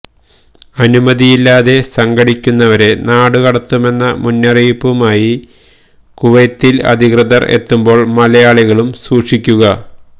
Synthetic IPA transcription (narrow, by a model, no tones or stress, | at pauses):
ɐnumɐðijilːaːðe̞sɐŋɡɐɽikʲːunːɐʋɐɾe̞naːɽukɐɽɐt̪ːume̞nːɐmunːɐrijpːumaːji | kuʋɐjt̪ːilɐ̰d̪ʱikrɨðɐre̞̰t̪ːumbo̞ːɭmɐlɐjaːɭiɣɐɭumsuːʂikʲːuɣɐ